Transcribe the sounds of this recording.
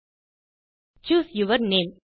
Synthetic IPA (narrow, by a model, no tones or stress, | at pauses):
t͡ʃuːsjuʋəɾnẽːm